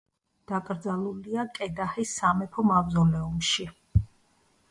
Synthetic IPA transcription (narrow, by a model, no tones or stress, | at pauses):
d̪̥akʼɾd̪zalˠuliakʼɛd̪ahisːamɛpʰɔmavzɔlɛumʃi